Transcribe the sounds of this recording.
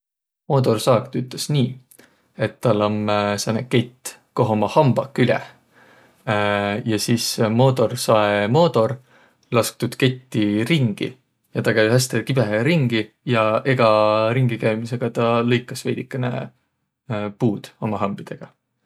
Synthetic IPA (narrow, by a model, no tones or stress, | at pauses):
mo̞ːd̪o̞rsɑːkt̪yt̪ːˑlesniː | e̞t̪ːɑlːomseneke̞t̪ːˑ | ko̞ɦomɑhɑmb̥ɑkːylʲḛ | jɑsiːsmo̞ːt̪o̞rsɑemo̞ːd̪o̞r | lɑsk̚t̪ud̪̥ke̞t̪ːiɾiŋɡ̥ḭ | jɑt̪ɑkæjhæst̪ekib̥eɾiŋɡ̥i | jɑe̞ɡ̥ɑɾiŋɡ̥ikæjmise̞ɡ̥ɑt̪ɑlɤjkːˑɑsvejd̪ikːˑɑnḛ | puːd̪̥o̞mɑɦɑmb̥id̪̥e̞ɡ̥ɑ